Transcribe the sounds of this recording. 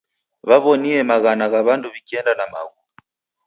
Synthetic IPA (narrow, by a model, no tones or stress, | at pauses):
βaβɔniɛmaɣanaɣaβanduβikiɛndanama̰ɣu